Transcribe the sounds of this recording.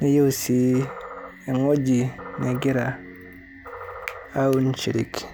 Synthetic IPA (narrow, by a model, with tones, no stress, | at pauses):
ne˦jo˦wsi˦ | e˨ŋo˦d͡ʒi˨ne˨ɡi˦ɾa˨ | a˦u˦nt͡ʃi˨ɾḭ˨k